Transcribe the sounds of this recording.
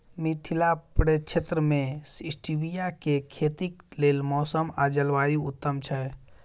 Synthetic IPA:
mit̪ʰilapɾet͡ʃʰet̪ɾəmesisʈibijakekʰet̪iklelmɔsəmad͡ʒəlʋajuut̪ːəmt͡ʃʰɛ

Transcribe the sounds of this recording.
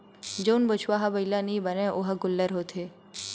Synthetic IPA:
d͡ʒoːnbʊt͡ʃʰwaːɦabɐilanɐĩbɐnẽʔoɦaɡʊlːəɾɦoːt̪ʰeː

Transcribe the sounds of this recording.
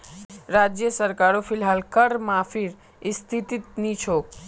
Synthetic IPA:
ɾad͡ʒjəsəɾkaɾopʰilɦalkəɾmãpʰiɾ | ist̪ʰit̪it̪̚nit͡ʃʰok̚

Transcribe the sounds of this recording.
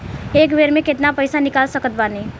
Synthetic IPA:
ekbeɾmẽket̪napəɪsanikalsəkət̪̚bane

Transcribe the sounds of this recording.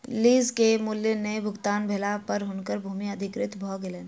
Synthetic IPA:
liːzkemʊljənebʱʊɡt̪aːnbʱelapɐɾɦʊɳkəɾbʱuːmiɐd̪ʱɪkɾɪt̪bʱɔːɡɪlen

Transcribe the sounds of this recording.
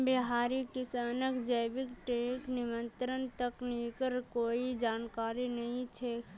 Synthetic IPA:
biɦaːɾikɪsaːnəkd͡ʒəjbɪkʈeːknɪmə̃nt̪ɾənt̪əkniːkəɾkoːid͡ʒaːnkaːɾinɐɦĩt͡ʃʰe

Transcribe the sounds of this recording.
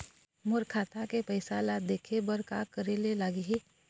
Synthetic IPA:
mʊɾkʰaːt̪akepəɪsaːlad̪eːkʰebəɾkakəɾelelaːɡiɦe

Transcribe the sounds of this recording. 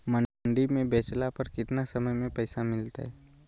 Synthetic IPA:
mɐɳɖimẽbɛːt͡ʃlapɐɾkɪt̪nasɐməjmẽpɛːsamɪlt̪a̰ɦɛː

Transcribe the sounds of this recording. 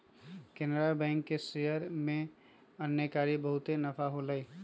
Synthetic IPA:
kenɾabɛ̃ŋkːesejəɾmẽ | ənːjəkaɾibəɦʊt̪enəpʰaɦoləj

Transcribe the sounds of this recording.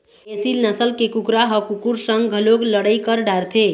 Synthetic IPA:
esilnəsəlkekukɾaɦʌkukuɾsəŋɡɡʱəloɡləɽəjkəɾɖaɾt̪ʰe

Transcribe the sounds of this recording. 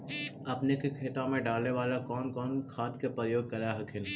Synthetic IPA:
ɐpnekekʰeːt̪ãmẽɖaːlneʋaːlakɔːnkɔːnkʰaːt̪kepɾəjoːɡ̚kɐɾaɦɐkʰɪn

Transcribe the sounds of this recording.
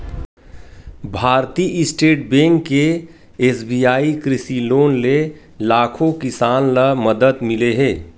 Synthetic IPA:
bʱaːɾt̪iʔɪsʈeːʈ̚bẽːŋkːe | eːsbiaːikɾɪsiloːnle | laːkʰõkɪsaːnləmɐd̪əd̪mɪleɦɛ̃ː

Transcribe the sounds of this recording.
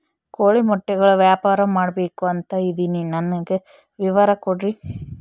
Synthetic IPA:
koːɭimɔʈːɛɡɐɭuʋjaːpaːɾɐmaːɽɐbeːkuɐnt̪ɐid̪ininɐnːɐɡe | ʋiʋɐɾɐkɔɽɾi

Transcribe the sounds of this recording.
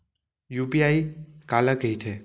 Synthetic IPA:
jupiaikaləkəit̪ʰe

